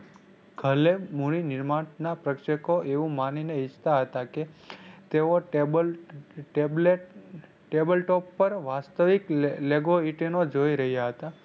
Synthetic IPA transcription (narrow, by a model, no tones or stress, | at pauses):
ɡʱəlemuɭ̃inɪɾmanapɾəkʃəkoʔeʋũmanineɪst̪aɦət̪aket̪eoʈb | ʈebleʈ | ʈebəlʈɔpːəɾʋast̪əʋikleɡoiʈenod͡ʒoiɾəɦjaɦət̪a